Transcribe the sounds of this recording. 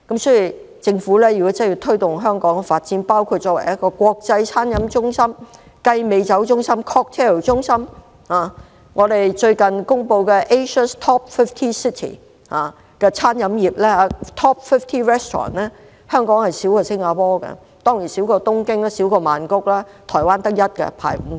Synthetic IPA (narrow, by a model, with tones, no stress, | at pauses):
kɐ˨˥msɔː˨˥ji˨˧˩ | t͡sɪ˧ŋfu˨˥lɛː˥jy˨kɔ˨˥t͡sɐ˥jiː˧t̪ʰɵ˥ɥt̪ʊ˨ŋɦœː˥ŋkɔː˨˥ŋɛ˧faː˧˨t̚t͡siː˨˥npaː˥wkʰu˧t̚t͡ʃːɔː˧˥wɐ˨˩jɐ˥t̚kɔː˧kʷɔː˧k̚t͡sɐ˧jt͡sʰaː˥njɐ˨˥mt͡ʃʊ˥ŋsɐ˥m | kɐ˧jme˨˧jt͡sɐ˨˥wt͡ʃʊ˥ŋsɐ˥mkʰɔː˧˥k̚t̪ʰɛ˥˨˩wt͡ʃʊ˥ŋsɐ˥m | haː˨ | ŋʔɔː˨˧d̪e˨jt͡ʃɵ˧ɥkɐ˨nkʊ˥ŋpo˧wkɛ˧ʔe˥jʃə˥st̪ʰɔː˥p̚fɪ˥ft̪ʰiː˥si˥t̪ʰḭː˨˩ | haː˨˧ | kɛː˧t͡sʰaː˥njɐ˨˧˥mjiː˨p̚lɛː˥aː˨˧t̪ʰɔː˥p̚fɪ˥ft̪ʰiː˥ɹɛ˥st̪ʰɔ̰ː˨˩nlɛː˥ | hœː˥ŋkɔː˨˥ŋhɐ˨jsiː˨˥wkɔː˧sɪ˥ŋaː˨˧pɔː˥kɛ̰˧ | t̪ɔː˥ŋji˨˩nsiː˨˥wkɔː˧t̪ʊ˥ŋkɪ˥ŋ˥siː˨˥wkɔː˧maː˨nkʊ˥k̚laː˥t̪ʰɔː˨˩jwaː˥nt̪ɐ˥k̚jɐ˥t̚kɛ̰˧pʰa̰ː˨˩j̩˨˩